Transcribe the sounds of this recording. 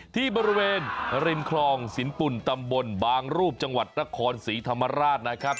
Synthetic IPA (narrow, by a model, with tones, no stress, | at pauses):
t̪ʰiː˥˩bɔː˧ɾi˧weː˧nɾi˧nkʰlɔː˧ŋsi˨˩˦npu˨˩nt̪a˧mbo˧nbaː˧ŋɾuː˥˩p̚t͡ɕa˧ŋwa˨˩t̪̚na˦˥kʰɔː˧nsiː˩˦t̪ʰa˧mːa˧ɾaː˥˩t̪̚na˦˥kʰɾa˦˥p̚